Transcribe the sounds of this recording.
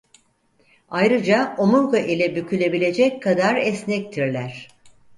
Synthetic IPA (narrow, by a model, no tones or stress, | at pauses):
ajɾɯd͡ʒaomuɾkaʔilʲɛbycʰylʲe̞bilʲe̞d͡ʒɛckʰːad̪aɾɛsnɛc̚t̪ʰiɾlʲæɾ̥